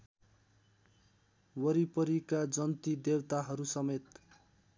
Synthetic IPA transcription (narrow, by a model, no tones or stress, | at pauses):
wʌɾipʌɾikad͡zʌnt̪id̪ewt̪aɦʌɾusʌmet̪